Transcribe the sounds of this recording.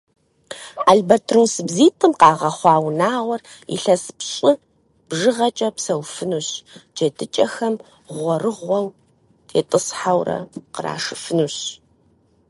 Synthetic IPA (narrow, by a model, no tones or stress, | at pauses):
aɮbɐtʰrunsɨbziːtʰʼɨmqɑːʁɐχʷɑːwnaːʁʷɔr | ḭɬɐspɕʼɪ | b̥ʒɨʁɐt͡ʃʼɐpsɐwfɨnuɕd͡ʒɐtʰɨt͡ʃʼɐxɐm | ʁʷɔrɨʁʷɔw | tʰeːtʼɨsħawrɐ̰qəra̰ːʂɨfɨnuɕ